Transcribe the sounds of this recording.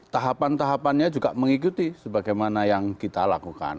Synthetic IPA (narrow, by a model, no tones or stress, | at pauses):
t̪aɦapant̪aɦapanɲad͡ʒuɡaʔməŋikut̪isəbaɡajmanajaŋkit̪alakuka̰n